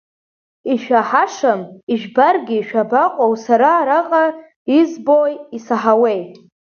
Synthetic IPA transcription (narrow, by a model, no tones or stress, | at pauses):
iʃᶣaħaʂamiʒᶣbarɡʲɪːʃᶣabaqʷʼowsaɾaːɾaqʼa | izbojisaħawe̞j